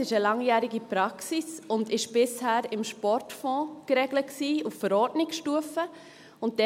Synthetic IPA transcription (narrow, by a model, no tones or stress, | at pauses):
ɪʃəlɑŋjæːɾiɡipɾɑksisʊndɪʃb̥ɪshæːɾɪmʃpɔɾtfɔ̃ːkɾɛɡlət̚ksiːuffəɾɔɾdnɪksʃtuəfə | ʊnt̚d̥ɛ